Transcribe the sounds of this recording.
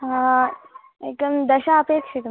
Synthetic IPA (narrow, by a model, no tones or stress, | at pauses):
ɦã | ek̚d̪əmd̪əɕaəpekʂit̪m